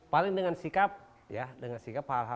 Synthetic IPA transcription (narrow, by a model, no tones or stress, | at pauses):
palɪŋdəŋansikap̚ | jadəŋansikaphalɦa